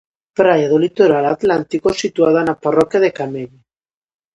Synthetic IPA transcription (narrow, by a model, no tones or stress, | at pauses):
pɾajaðolit̪oɾalat̪lant̪ikosit̪uaðanaparɔkjaðekameʎ